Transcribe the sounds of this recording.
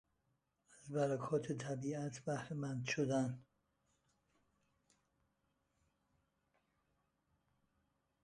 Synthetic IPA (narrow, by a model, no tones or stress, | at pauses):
æzbæɾækʰɒːt̪ʰet̪ʰæbiːæt̪ʰbæhɾemænd̪ʃod̪æn